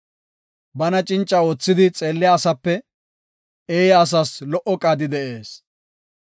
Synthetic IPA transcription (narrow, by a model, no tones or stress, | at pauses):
bɐnɐt͡ʃʼɪnt͡ʃʼːɐoːt͡sːɪd̪ɪt͡sʼe̞ːlːɪjaːsɐpːɛ | eːjɐːs̬ɐslɔʔɔkʼaːd̪ɪd̪ɛʔe̞ːs